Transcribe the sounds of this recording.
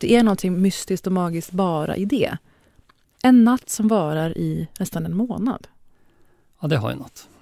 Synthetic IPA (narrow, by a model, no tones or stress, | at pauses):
d̪̥ɛʔæɳɔnːt̪ʰɪŋːmʏst̪ɪskt̪ɔmɑːɡɪskt̪̚bɑːɾa̰ʔɪd̪ɛ̰ | ʔɛnːat̪ːsɔmvɑːɾaɾʔɪnɛst̪anɛnmoːna̰d̪ | ɑːd̪ɛɦa̰ɾja̰nat̪ː